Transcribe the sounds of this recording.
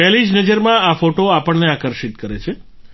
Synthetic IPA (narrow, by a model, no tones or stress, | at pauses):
ɛlid͡ʒnəd͡ʒəɾmãafoʈoapəɳneakəɾʃit̪kəɾet͡ʃʰe